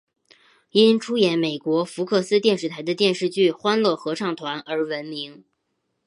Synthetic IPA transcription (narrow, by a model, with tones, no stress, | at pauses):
i˥nʈ͡ʂʰu˥jɛ˧˥nme˨˩ɪkwɔ˧˥fu˧˥kʰɤ˥˩sɹ̩˥t̪jɛ˥˧nʂɻ̩˥˩t̪ʰa˧˥ɪd̪ə˧t̪jɛ˥˧nʂɻ̩˥˧t͡ɕy˥˩xwa˥nlɤ˥˩xɤ˧˥ʈ͡ʂʰɑ˥˩ŋt̪ʰwa˧˥nə˞˧˥wə˧˥nmi˧˥ŋ